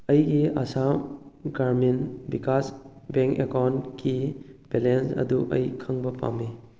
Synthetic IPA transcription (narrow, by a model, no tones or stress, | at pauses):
ɐjɡiasamɡaɾminbikasbeŋkekawnkʰib̥elensɐ̰duʔɐ̰jkʰaŋbɐpa̰me